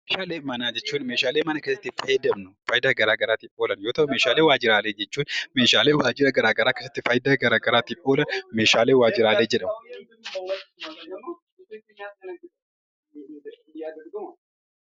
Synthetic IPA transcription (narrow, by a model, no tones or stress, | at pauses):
meːʃaːleːmɐnaːd͡ʒɛt͡ʃːuːnmeːʃaːleːmɐnɐkeːsɐt̪ːɪfɐjd̪ɐmnʊfajɪd̪aːɡɐɾaːɡɐɾaːt̪ɪpʼo̞ːlɐnjoːt̪ɐwʊmeːʃaːleːwaːd͡ʒɪɾaːleːd͡ʒɛt͡ʃːuːnme̞ːʃaːleːwaːd͡ʒɪɾɐɡɐɾaːɡɐɾaːkesɐt̪ːɪfɐjd̪aːɡɐɾaːɡɐɾaːt̪ːɪpʼoːlɐnme̞ːʃaːleːwaːd͡ʒɪɾaːleːd͡ʒɛᶑɐm